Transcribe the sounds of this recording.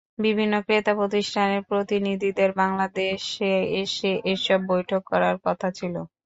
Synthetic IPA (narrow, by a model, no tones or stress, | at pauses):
bibʱinːokɾet̪apot̪iʃʈʰaneɾpɾot̪inid̪ʱid̪eɾbaŋlad̪eʃeeʃeʔeʃɔbːojʈʰokːɔɾaɾkɔt̪ʰat͡ɕʰilo